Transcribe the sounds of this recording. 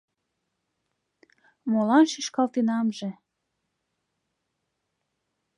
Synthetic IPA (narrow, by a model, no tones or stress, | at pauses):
molɑnʃiʃkɑlt̪inɑmʒĕ